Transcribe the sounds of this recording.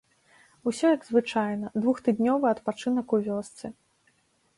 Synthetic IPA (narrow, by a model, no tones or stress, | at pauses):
usʲɔjɐɡzvɨt͡ʂajnɐd̪vuxt̪ɨd̪ʲnʲɔvɨɐt̪pat͡ʂɨnɐkuvʲɔst̪sɨ